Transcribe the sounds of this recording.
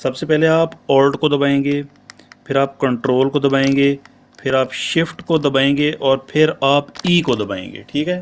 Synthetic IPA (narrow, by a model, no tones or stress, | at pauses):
sɐbsepɛɦleaːpɔːlɖkod̪ɐbaːẽːŋɡeː | pʰɪɾaːp̚kɐ̃ɳʈɾoːlkod̪ɐbaːẽːŋɡeː | pʰɪɾaːpʃɪfʈkod̪ɐbaːẽːŋɡeːʔɔːɾpʰɪɾaːpiːkod̪ɐbaːḛ̃ːŋɡḛːʈʰiːkɦɛː